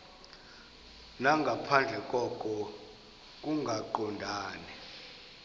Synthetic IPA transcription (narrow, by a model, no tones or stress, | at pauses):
naŋɡʱapʰand͡ɮʱɛkʼɔkʼɔ | k̬ʼuŋɡʱaǃɔndʱaːnɛ